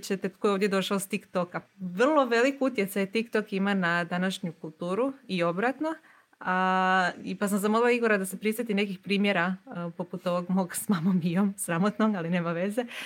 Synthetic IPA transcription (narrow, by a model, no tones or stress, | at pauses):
t͡ɕet̪et̪kojoːd̪ʲjed̪o̞ʃaost̪ikt̪o̞kaʋr̩lˠo̞ʋe̞likut̪je̞t̪sajet̪ikt̪o̞kimanad̪anaʃɲukulˠt̪uːɾuio̞bɾat̪no̞ | a | ipasamzamoliaiɡo̞ɾad̪ase̞pɾisʋet̪ine̞kixpɾiːmje̞ɾapo̞put̪o̞ʋoɡmo̞ɡsmamomijomsɾamot̪noɡaline̞ːmaʋe̞ze̞